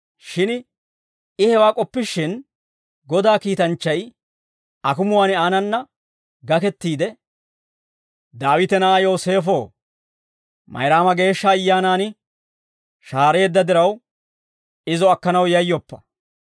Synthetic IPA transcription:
ʃɪn | ɪhɛwaːkʼɔpːɪʃːɪn | ɡɔd̪aːkiːt̪ɐnt͡ʃːɐj | ɐkʊmʊwaːnɪaːnɐnːɐ | ɡɐkɛt̪ːiːd̪ɛ | d̪aːwɪt̪ɛnaaːjo̞ːse̞ːfo̞ː | mɐ̰jɾaːmɐɡe̞ːʃːɐːjːaːnaːnɪ | ʃaːɾe̞ːd̪ːɐd̪ɪɾɐw | ɪzɔɐkːɐnɐwjɐjːɔpːɐ̥

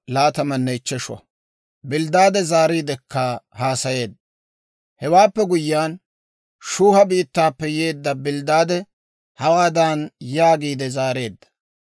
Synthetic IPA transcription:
laːt̪ɐmɐnːɛɪt͡ʃːɛʃwɐ̰ | bɪld̪aːd̪ɛzaːɾiːd̪ɛkːɐhaːsɐje̞ːd̪ːɐ | hɛwaːpːɛɡʊjːaːn | ʃuːhɐbiːt̪ːaːpːɛjeːd̪ːɐbɪld̪aːd̪ɛ | hɐwaːd̪aːnjaːɡiːd̪ɛzaːɾe̞ːd̪ːɐ̥

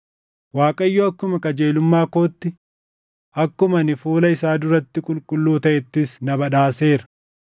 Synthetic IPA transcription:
waːkʼɐɪjːoːɐkːʊmɐkʼɐd͡ʒe̞ːlʊmːaːko̞ːt̪ːɪ | ʔɐkːʊmɐnɪfuːlɐɪsaːd̪ʊɾɐt̪ːɪkʼʊlkʼʊlːuːt̪ɐʔɛt̪ːɪsnɐbɐᶑaːse̞ːɾɐ̥

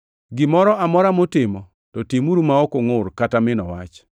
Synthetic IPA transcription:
ɡɪmɔɾɔʔamɔɾamotɪmɔ | tɔtimuɾumaokoŋʊrkatamɪnɔwa̰t͡ʃ

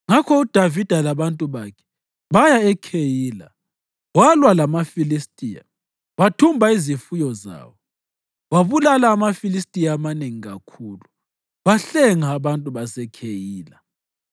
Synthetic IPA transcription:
ŋakʰɔud̥ʱavid̥ʱalaβantʼuβakʰɛ̥ | βajaɛkʰejiːla̰ | walwalamafilistʼija̰ | watʰumbʱaizifujɔza̰ːwɔ | waβulalaːmafilis̬tʼijaːmaneŋiɣa̰kʰuːlu | βaɬɛŋaːβantʼuβasɛkʰejiːla

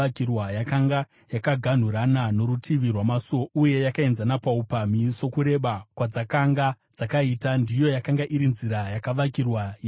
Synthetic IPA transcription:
kirwajakaŋɡa | jakaɡʱan̤uɾanano̞ɾutʰiʋirwamasouje̞jakae̞nzanapaupamiso̞kuɾe̞ɓakwad͡zakaŋɡa | d͡zakaiːtandijo̞jakaŋɡaʔiɾinziɾajakaʋakirwaj

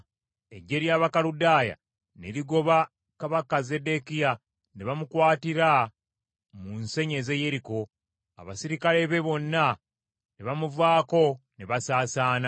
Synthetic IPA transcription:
e̞̰ɟːe̞ɾjaːβakaludaːja̰ | neɾiɡo̞βa | kaβakazede̞kija | ne̞βamukwaːtiɾa | munse̞ɲe̞ze̞je̞ɾiko̞ | a̰βa̰siɾikale̞βe̞βo̞nːa | neβamuvaːko̞neβasaːsaːna

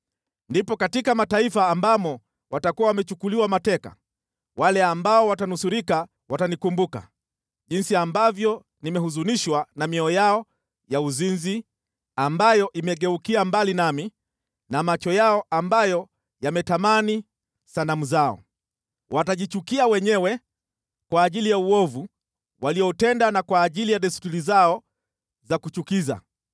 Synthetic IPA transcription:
ndipɔkatikamataifaːmbamɔ | watakuwawamɛt͡ʃukuliwamatɛka̰ | walɛambaɔwatanusuɾika | watanikumbuka̰ | ʄinsiambavjɔ | nimɛhuzuniʃwanamiɔjaɔ | jauzinzi | ambajɔʔimɛɠɛukiambalinami | namat͡ʃɔjaɔʔambajɔ | jamɛtamani | sanamuzaɔ̰ | wʔataʄit͡ʃukiawɛɲɛwɛ | kwaːʄilijauɔvu | walijɔtɛndanakwaːʄilijaɗɛstuɾizaɔ | zakut͡ʃukiza̰

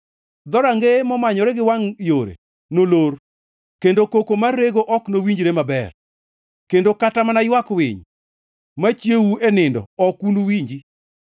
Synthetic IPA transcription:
d̪ɔɾaŋɡemɔmaɲɔɾɛɡɪwaŋjoɾḛ | noloɾ | kendokokomarːeɡoʔɔknowiɲd͡ʒɾemabɛ̰r | kendokatamanajwakwɪ̰ɲ | mat͡ʃjewuenɪndɔ̰ɔkunuwiɲd͡ʒi

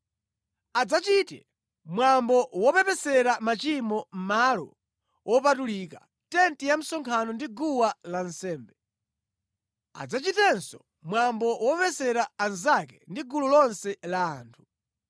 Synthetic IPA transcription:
ad͡zat͡ʃitɛ̰ | mwambɔwɔpɛpɛsɛɾamat͡ʃimɔm̩malɔ̰ | wʔɔpatulika | tɛntijam̩sɔŋkʰanɔndiɡuwalansɛːmbɛ | a̰d͡zat͡ʃitɛnsɔ | mwambɔwɔpɛsɛɾaːnzakɛndiɡululɔnsɛlaːntʰu̥

